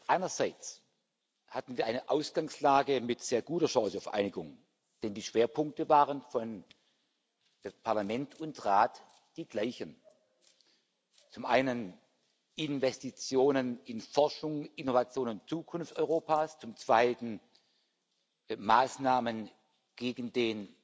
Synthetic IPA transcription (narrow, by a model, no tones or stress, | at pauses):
ʔaɪnɐzaɪt͡s | hatn̩viːɐʔaɪnəʔaʊsɡ̥aŋslaːɡəmɪtz̥eːɐɡuːtɐʃɑŋːsəaʊfʔa̰ɪnɪɡʊŋ | d̥ɛndiːʃv̥eːɐpʰʊŋk̚təvaːʁənfɔn | pʰaɐlamɛntʰʊntʁaːt | d̥iːɡlaɪçən | t͡sʊmʔaɪnən | ʔɪnvɛstit͡sjoːnənɪnfɔɐʃʊŋʔɪnovat͡sjoːnʊnt͡suːkʰʊnft͡sɔ̰ʏʁoːpaːst͡sʊmt͡sv̥aɪtn̩ | maːsnaːmən | ɡ̥eːɡn̩deːn